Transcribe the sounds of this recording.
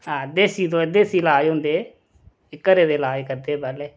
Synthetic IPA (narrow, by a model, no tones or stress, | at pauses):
ãːd̪eːsiːd̪õːd̪eːsiːlaːjʊ̃nd̪eː | ɪkːəɾeːd̪eːlaːekəɾd̪eːbəle